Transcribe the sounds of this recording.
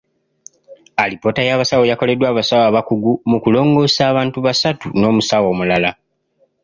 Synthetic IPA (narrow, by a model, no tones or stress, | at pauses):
alipo̞ːtajaβasawojako̞le̞dwaːβasawaːβakuɡumukulo̞ːŋɡo̞ːsaːβaːntuβasatuno̞ːmusawo̞ːmulala